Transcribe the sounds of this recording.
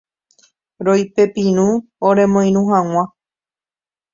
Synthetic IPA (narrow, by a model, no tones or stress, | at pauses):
ɾojpe̞pĩɾũ | oɾe̞mõj̃nũɦãŋ̃ã